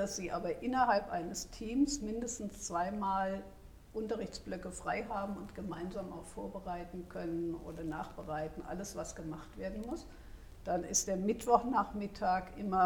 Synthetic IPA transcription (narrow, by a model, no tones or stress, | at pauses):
d̥asz̥iːʔaːbɐʔɪnɐɦalpʔaɪnəstʰiːmsmɪndəstn̩st͡sv̥aɪmaːl | ʔʊntɐʁɪçt͡sb̥lœkəfʁ̥aɪɦaːbm̩ʊntɡ̥əmaɪnzaːma̰ʊfoːɐbəʁaɪtn̩kʰœnənʔo̰ːdɐnaːχb̥əʁaɪtn̩ʔa̰ləsv̥asɡ̥əmaχtv̥eːɐdn̩mʊs | d̥anɪ̰std̥eːɐmɪtv̥ɔχnaːχmɪtʰaːkʔɪmɐ